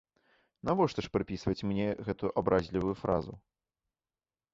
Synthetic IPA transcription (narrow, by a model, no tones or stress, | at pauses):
navɔʂt̪ɔʂpɾɨpʲisvɐt͡sʲmnʲɛɣɛt̪ujuʔabɾʔazʲlʲivujufɾa̰zṵ